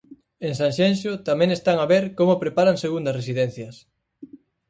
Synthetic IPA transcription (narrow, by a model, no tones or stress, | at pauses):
eŋsaŋʃenʃot̪amẽŋest̪aŋaβeɾkomopɾepaɾaŋseɣund̪ɐsresiðɛnθjɐs